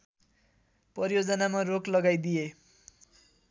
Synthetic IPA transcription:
prʌrjod͡zʌnamaroklʌɡajd̪ije

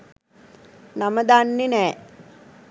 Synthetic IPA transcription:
naməd̪anːenɛː

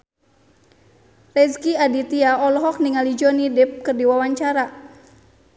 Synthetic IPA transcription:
rɛskiadit̪iaɔlɔɦɔk̚niŋalid͡ʒɔnidɪp̚kɨrdiwawaɲt͡ʃaɾa

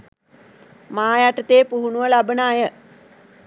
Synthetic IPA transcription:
maːjaʈət̪eːpuɦunuʋəlabənaːjə

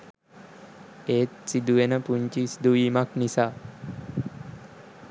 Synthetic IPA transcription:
eːt̪sid̪uʋenəpuɲt͡ʃisid̪uʋiːmaknisaː

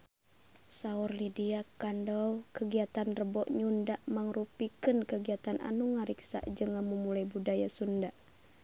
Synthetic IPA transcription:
saurlidiakandɔwkəɡiat̪anrəbɔʔɲundaʔmaŋrupikɨnkəɡiat̪anʔa̰nuŋaɾiksa̰ʔd͡ʒɨŋamumulajbudajasundaʔ

